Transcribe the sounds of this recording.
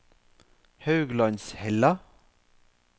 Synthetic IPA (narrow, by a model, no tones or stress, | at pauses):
hɑʉɡlɑnshɛlɑ